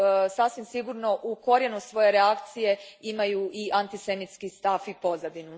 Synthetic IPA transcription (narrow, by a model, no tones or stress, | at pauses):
sasʋimsiɡuɾno̞ʔuko̞ɾje̞nusʋo̞je̞ɾeakt̪sije̞imajuʔiʔant̪ise̞nit̪skist̪afipo̞zad̪inu